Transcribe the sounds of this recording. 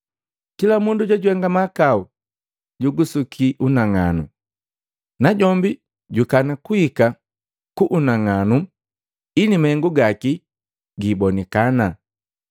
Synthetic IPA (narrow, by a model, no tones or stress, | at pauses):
kilamunduɟwaɟuɛŋɡamakau | ɟuɡusukʰiʔunaŋanṵ | naɟɔmbi | ɟukanakuika | kuʔunaŋanu | inimahɛŋɡuɡaki | ɡibɔnɛkana